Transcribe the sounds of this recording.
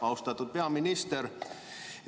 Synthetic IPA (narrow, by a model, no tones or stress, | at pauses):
ɑust̪ɑt̪ːut̪̚peɑminist̪er